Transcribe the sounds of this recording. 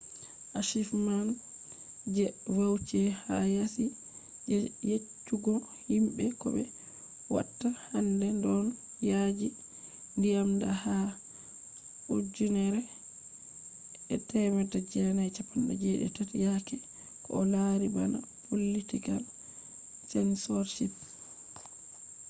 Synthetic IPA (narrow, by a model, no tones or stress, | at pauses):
ʔaʃifman | d͡ʒɛwawt͡ʃɛhajasi | jet͡ʃːuɡɔ | himɓɛkɔ̰bɛ̰ | wa̰tːahandɛndɔn | jad͡ʒi | ndijamdaha | ʔud͡ʒunɛɾɛ | ɛtɛmɛtad͡ʒɛnajt͡ʃapːanɗa̰d͡ʒɛɗɛ̰tatjakɛ | kɔlaɾibana̰ | bolːitiɡal | sɛnsɔɾʃip